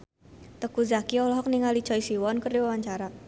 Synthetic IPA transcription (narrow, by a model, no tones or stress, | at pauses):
t̪əkuzakiɔlɔɦɔk̚niŋali̥t͡ʃɔisiwɔnkəriwawaɲt͡ʃaɾa